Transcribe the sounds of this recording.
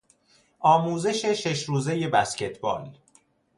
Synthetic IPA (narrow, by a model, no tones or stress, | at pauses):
ʔɒːmuːze̞ʃeʃe̞ʃɾuːze̞je̞bæsce̞t̪ʰbɒ̰ːl